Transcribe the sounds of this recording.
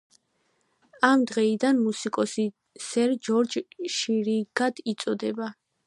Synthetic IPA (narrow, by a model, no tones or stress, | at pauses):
amd̪ʁɛid̪anmusikʼɔsi | sɛɾd͡ʒɔɾd͡ʒʃiɾiɡ̥ad̪̥it̪sʼɔd̪ɛba